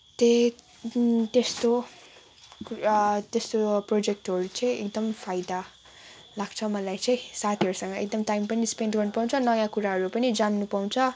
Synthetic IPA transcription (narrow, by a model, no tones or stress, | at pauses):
t̪e | t̪est̪o | t̪est̪oprod͡zek̚ʈɦʌɾut͡sʌ̃j̃ek̚d̪ʌmpʰajd̪a | laɡ̥t͡sʰʌmʌlajt͡sʌ̃j̃sat̪ʰiɦʌɾusʌŋɡʌek̚d̪ʌmʈajmpʌnispendɡʌrnupaw̃t͡sʰʌnʌjãkuɾaɦʌɾupʌnid͡zanːupaw̃t͡sʰʌ